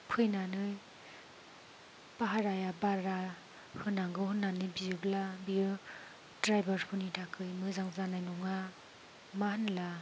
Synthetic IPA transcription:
pʰɯjnanɯj | paɦaɾajabaɾa | hɯnːaŋɡɯhɯnːanɯbijɯblabiɯ | dɾajbaɾkʰunitʰakʰɯjmɯzaŋzanajnuŋa | mahɯnla

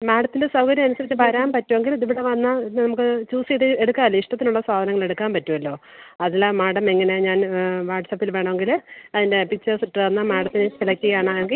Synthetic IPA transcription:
maːɽɐt̪ːilesɐwkɐɾjɐmɐnusɐɾit͡ɕːɨpɐɾaːmpɐtːuʋe̞ŋɡilɐðuʋiɽeʋɐnːɐnɐmukːɨt͡ɕuːsiðɨeɽukːaːɐlːoiʂʈɐt̪ːinuɭːɐsaːd̪ʱɐnɐŋːɐɭe̞ɽukːaːmpɐtːuʋɐlːo̞ː | ɐðilamaːɽɐmeŋːɐne̞ɲaːnʋaːʈsɐpːilʋe̞ːɳɐʋe̞ŋɡilɐðinde̞pit͡ɕːɐsiʈːɨʋɐnːɐmaːɽɐt̪ːinɨt͡ɕiɭɐkʲːiɣɐjaːɳɨeŋɡi

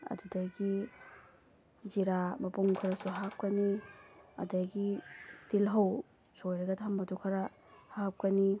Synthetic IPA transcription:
ɐ̰dudajɡi | ziɾamɐpuŋkʰɐɾasuɦap̚kɐniɐ̰dajɡitilɦɐw | sojɾɐɡɐtʰambɐtukʰɐɾa | hap̚kɐni

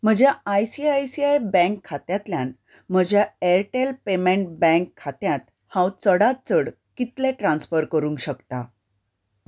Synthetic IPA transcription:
m̤əd͡ʑjaajsiajsiajbɛ̃ŋkʰːat̪jat̪ljan | m̤əd͡ʑjaɛɾʈelpemẽɳʈ̚bɛ̃ŋkʰːat̪jãt̪ | hãwt͡səɽat̪̚t͡səɽ | kit̪lɛʈɾãnsfəɾkəɾũːŋkɕəkt̪a

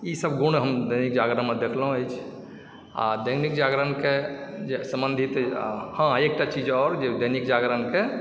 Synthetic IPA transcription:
isəbɡuɽ̃ɦəmd̪əjnik̚d͡ʒaɡɾənmed̪ekʰləɦũəjt͡ʃʰ | a̰d̪əjnikd͡ʒaɡɾənked͡ʒesəmbə̃nd̪ʱit̪hə̃ek̚ʈat͡ʃid͡ʒɔːɾd͡ʒed̪əjnikd͡ʒaɡɾənke

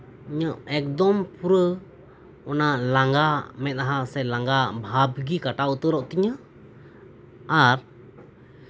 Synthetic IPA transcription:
iɲaʔɛk̚d̪ɔmpuɾə | ɔnalaŋɡamɛt̪̚aɦasɛlaŋɡabʱabɡikaʈaut̪əɾɔʔt̪iɲə | aɾ

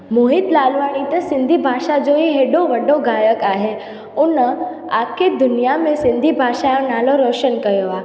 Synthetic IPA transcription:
moːɦɪt̪laːlʋaːɽ̃it̪əsɪ̃nd̪ʱibʱaːʃad͡ʑoiɦeːɖoʋɐɖoɡaːjəkaːɦe | ʊnə | aːkʰed̪ʊnijamẽsɪ̃nd̪ʱibʱaːʃajõnaːloɾoːʃənkɐjoaː

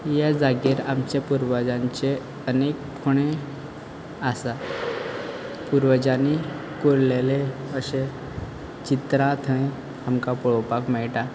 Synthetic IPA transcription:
jad͡zaɡiɾamt͡ɕepuɾʋəd͡ʑãɲt͡ɕe | ənekʰːoɽ̃e | asa | puɾʋəd͡ʑani | koɽleleəɕe | t͡ɕit̪ɾãt̪ʰə̃j | amkapɔɭɔpakmɛɭʈa

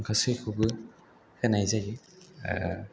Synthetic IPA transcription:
ŋkʰasɯjkʰɯbɯ | hɯnajzajɯ̰

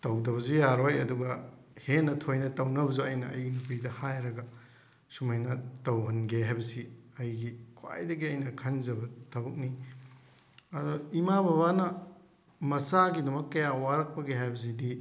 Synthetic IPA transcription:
tɐwdɐβɐzujaɾojɐduɡɐhenɐtʰojnɐtɐwnɐbɐzuɐjnɐ̰ːjɡinupɾidɐhajɾɐɡɐ | sumɐjnɐtɐwɦɐnɡeɦajbɐsiɐjɡikʰwa̰jdɐɡiɐjnɐkʰɐnd͡ʒɐbɐtɐbuk̚ni | ɐdɔimabaβanɐ | mɐsaɡidɐmɐkːɐjawaɾɐk̚pɐɡeɦajbɐs̬idi

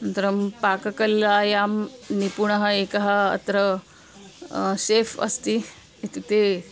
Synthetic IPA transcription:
ɐnt̪ɾɐmpaːkɐkɐlaːjaːmnipuɳɐɦɐeːkɐɦɐɐ̰t̪ɾɐ | seːfɐ̰st̪i | it̪it̪e

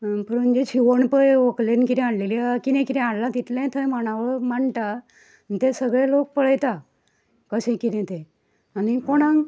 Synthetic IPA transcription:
pəɾənd͡ʑet͡ɕiʋəɳpəjoklenkit̪ɛ̃aɽlelikinɛ̃kit̪ɛ̃aɽlat̪it̪lãt̪ʰəjm̤əɽ̃ãʋəɭmaɳt̪a | nit̪ẽsəɡɭelok̚pəɭ̤əjt̪a | kəsẽkit̪ɛ̃t̪ẽ | anikoɽ̃ãŋ

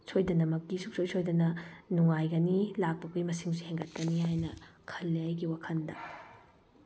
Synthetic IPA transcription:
sʰojdɐnɐmɐkːisuk̚sojsojdɐnɐnuŋajɡɐnilak̚pɐkʰujmɐsiŋsiheŋɡɐt̚kɐnihajnɐkʰɐlːiajɡiwakʰɐndɐ

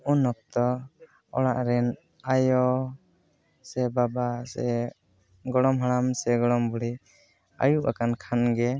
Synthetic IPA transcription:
unɔk̚t̪ɔ | ɔɽ̃aʔɾɛn | ajɔ | sɛbabasɛ | ɡɔɽɔmɦaɽamsɛɡɔɽɔmbɔɽi | a̰juʔa̰kankʰanɡɛ

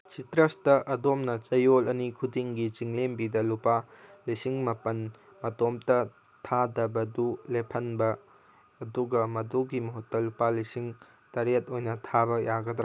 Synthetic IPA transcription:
sitɾɐstɐʔɐdomnɐt͡ʃɐjolɐnikʰudiŋɡit͡ʃiŋlembidɐlupalisiŋmɐpɐn | mɐtomtɐ | tʰadɐbɐdulepʰɐnbɐː | duɡɐmɐduɡimɐɦutːɐlupalisiŋ | tɐɾet̚ojnɐtʰabɐjʔaɡɐd̪ɾ

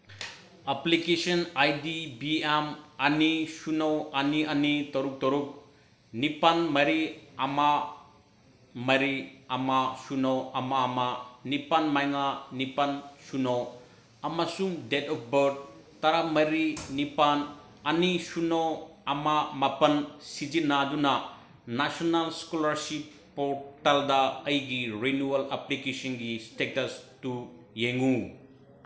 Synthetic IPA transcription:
aplikesɔnajdibiamanisunɔaniɐnit̪ɔɾuk̚t̪ɔɾuk̚ | nipanmɐɾiama | mɐɾiamasunɔamaːmanipanmajŋanipansunɔw | ɐmasuŋdetɔp̚ʰbɐɾd̚ | tɐɾamɐɾinipan | ɐnisunoɐmamɐpɐnsid͡ʒinadunɐ | nasonalskolɐɾsipːɔɾtaldɐɐjɡiɾenualaplikesɔnɡistetɐstu | jeŋu

